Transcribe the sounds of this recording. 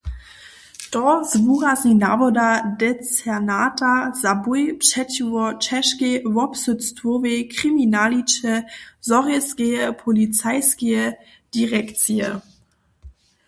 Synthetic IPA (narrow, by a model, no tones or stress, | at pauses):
tɔzvuːʁazina̰vɔdadɛt͡sɛnaːtazabʊjpʃɛtuɔt͡ʃɛʃkevɔpsʊt͡stvovekʁiminalit͡ʃəzɔʁiskeəpʰɔlit͡saɪskeə | d̥iʁɛkt͡siə